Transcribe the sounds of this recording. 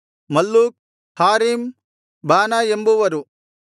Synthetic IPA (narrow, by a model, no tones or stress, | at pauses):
mɐlːuːk̚ | haːɾiːm | baːnaembuʋɐɾu